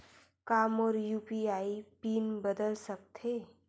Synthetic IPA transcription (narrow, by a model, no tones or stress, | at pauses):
kaːmɔːɾjuːpiaːipiːnbəd̪əlsək̚t̪ʰeː